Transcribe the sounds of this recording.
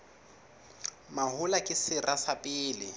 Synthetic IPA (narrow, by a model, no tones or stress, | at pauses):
maɦʊlakʼɪsɪrʔasapʼɪːlɪ